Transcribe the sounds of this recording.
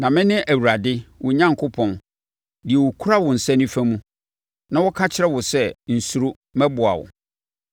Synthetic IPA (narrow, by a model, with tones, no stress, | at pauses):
nã˨mɪ̃˦nɪ̃˦ʔæ˨wu˨ɾa˨dɪ˦wʊ˨ɲã˦ŋkʰʊ˦pʰɔ̃˨n | dɪ˨ɛ˨wʊ˨kʰu˦ɾa˦wʊ̃˨n̩˨sɛ̃˦nĩ˦fæ˦mũ˦ | nã˨wɔ˦kʰa˦t͡ɕʰɪ˦ɾɛ˦wʊ˨sɛ˦n̩˨su˨ɾʊ˦ | mɛ̃˦bʊ˨a̰˨wʊ̰˨